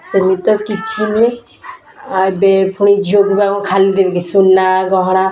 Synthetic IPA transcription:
səmit̪ɔkit͡ʃʰine | abepʰuɽ̃id͡ʒʱoɡbakɔ̃kʰalid̪ebekisunːaɡɔɦɽ̃a

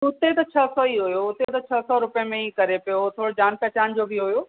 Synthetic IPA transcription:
ʊt̪et̪ɐt͡ɕʰɐsɔiɦʊjoʊt̪et̪ɐt͡ɕʰɐsɔɾʊpəjəmẽikɐɾepijot̪ʰoːɽd͡ʑaːnpɛːt͡ɕaːnd͡ʑoːbʱiɦʊjoː

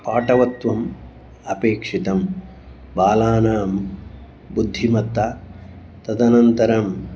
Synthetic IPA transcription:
paːʈɐʋɐt̪ʋɐm | ɐpeːkʂit̪ɐm | baːlaːnaːm | bud̪ʱːimɐt̪ːa | t̪ɐd̪ɐnɐnt̪ɐɾɐm

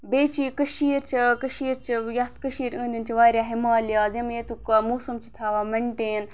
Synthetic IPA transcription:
beːt͡ʃʰikɐʃiːɾt͡ʃʰikɐʃiːɾt͡ʃʰijɐt̪kɐʃiːɾə̃ːnd̪int͡ʃʰiʋaːɾʲjaːɦimaːljaːzɐmjet̪ukmuːsɐmt͡ʃʰit̪ʰaːʋaːmɐɳʈeːn

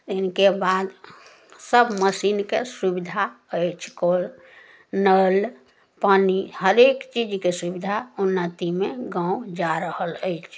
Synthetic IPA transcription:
ɪnkebad̪ | səbməsinkḛsubid̪ʱaəɪt͡ʃʰkoɾ | nəl | paːnihəɾekt͡ʃid͡ʒkesubid̪ʱaʊnːət̪imẽɡãud͡ʒaɾəhələjt͡ʃʰ

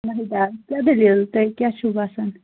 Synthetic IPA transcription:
nəɦijd̪akjad̪elilt̪əkʲjaʃubasən

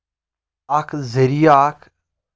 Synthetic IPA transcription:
ɐkʰzɐɾijakʰ

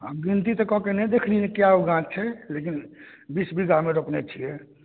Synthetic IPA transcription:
əɡɾint̪it̪ɔkɔkenɛjd̪ekʰlinekjaoɡãt͡ʃt͡ʃʰɛlekin | bisbiɡameɾopnḛt͡ʃʰijɛ

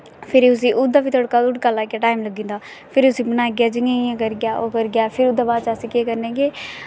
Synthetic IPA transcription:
pʰɪɾiːʊs̬ĩːʔʊd̪ːaːbiːt̪ʰoːɽkaːʊʈkaːlaːkeːʈaːimləɡĩːnd̪aː | pʰɪɾʊsĩːbənaːɡɪjaːd͡ʒɪŋaːijãːkəɾɡjaːʔoːkəɾɡɪjaːpʰɪɾʊd̪ːaːbaːd̪t͡ʃaːsĩːkeːkəɾnẽːɡeː

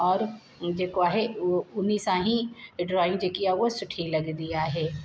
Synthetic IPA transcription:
ɔːɾ | d͡ʒeːkoaɦeʊnːiːsãɦĩɖɾɔːɪ̃ŋɡd͡ʒeːkiawosʊʈʰilɐɡd̪ijaɦɛː

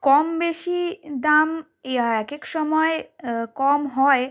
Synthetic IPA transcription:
kɔmbeʃid̪am | ɛkekʃɔmɔekɔmɦɔe

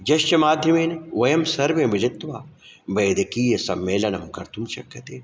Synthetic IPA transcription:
d͡ʒɐʃt͡ʃɐmaːd̪ʱjɐmeːneʋɐjɐmsɐɾʋemɪlit̪ʋaː | bɐːd̪ikiːjɐsɐmːeːlɐnɐmkɐɾt̪ʰumʃɐkːɐt̪eː

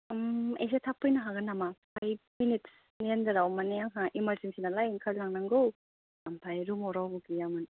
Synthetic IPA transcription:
mes̬etʰapːɯjnaɦaɡanamapʰaj̚minit | niend̪ɯɾawmanejaŋɦaʔimaɾzinsinalajŋkʰalnaŋnaŋɡow | ampʰajɾumɔɾawbuɡijamɯn

